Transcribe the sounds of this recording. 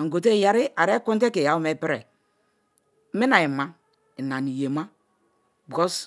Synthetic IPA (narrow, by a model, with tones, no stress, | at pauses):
ŋ̩˨ɡo˨t̬e˦˨ja˨ɾi˦a˨ɾe˦ku˦nt̬e˦ke˨ja˨˦u˦me˦˨pi˦ɾe˨˦ | mi˦na˨i˨ma˦ | i˨na˨ni˨je˨ma˦ | bɡo˦s